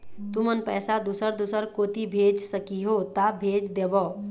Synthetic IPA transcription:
t̪umənpɛːsad̪usəɾd̪usəɾkot̪ibʱeːd͡ʒsəkiɦot̪abʱeːd͡ʒd̪eʋɔ

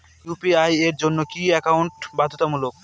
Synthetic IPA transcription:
jupiajeɾd͡ʑonːokiɛkawɳʈbad̪ʱot̪amulok̚

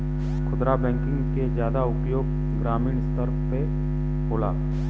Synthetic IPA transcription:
kʰʊd̪ɾabɛ̃ːŋkɪ̃ŋɡked͡ʒjaːd̪aʊpjoːɡ | ɡɾaːmiːɳ̃st̪əɾpe | boːlaː

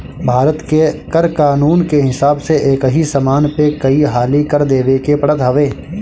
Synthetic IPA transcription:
bʱaːɾət̪kekɐɾkaːnuːnkeɦɪsaːbseʔeːkɦisɐmaːnpekɐiɦaːlikɐɾd̪eːʋekepɐɽət̪ɦɐʋeː

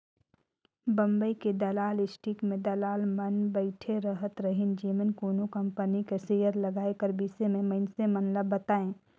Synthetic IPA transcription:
bɐ̃mbəiked̪ɐlaːlɪsʈikmẽd̪ɐlaːlmɐnbəɪʈʰeɾəɦət̪ɾɐɦɪnd͡ʒiːmənkoːnokɐ̃mpənikeseːjəɾlɐɡaːekəɾbiːsemẽməɪnsemɐnləbːɐt̪aːẽː

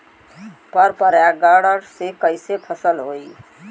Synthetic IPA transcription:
pəɾpəɾjaɡaɽəɾsekəjsepʰəsəlɦoi

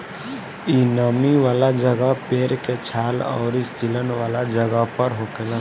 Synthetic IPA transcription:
inəmiʋaːlad͡ʒəɡəpeːɾket͡ʃʰaːlɔ̰ːɾisilənʋaːlad͡ʒəɡəpəɾɦokela

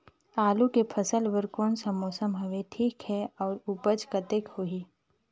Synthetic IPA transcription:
aːlukepʰəsəlʋəɾkoːnsəmːoːsəmbʱɐʋeʈʰiːkhɛɔːɾupət͡ʃkɐt̪ekhoiː

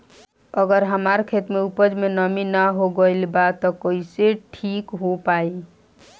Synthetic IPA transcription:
əɡəɾɦəmaɾkʰet̪meupəd͡ʒmenəminaɦoɡəilbat̪ɔkoiseʈʰikɦopai

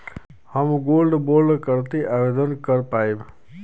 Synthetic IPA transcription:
həmɡolɖboɾɖkəɾt̪eʔabed̪ənkəɾpaeb

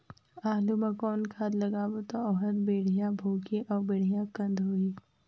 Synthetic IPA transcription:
aːlumɐkɔːnkʰaːd̪lɐɡaːbot̪oɔɦət̪beːɽ̤ijãbʱoːkiʔɔːɾbeːɽ̤ijãkɐ̃nd̪ʱɦoiː

